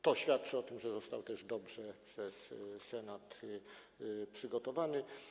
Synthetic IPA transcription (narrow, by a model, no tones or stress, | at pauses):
t̪ɔɕfʲjat̪̚t͡ʂɘɔt̪ɘmʐɛzɔst̪awt̪ɛʐd̪ɔbʐɛpʂɛsːɛnat̪ | pʂɘɡɔt̪ɔvanɘ